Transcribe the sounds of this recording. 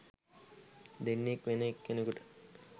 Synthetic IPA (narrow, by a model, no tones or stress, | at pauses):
d̪enːekʋenəekːenəkuʈə̥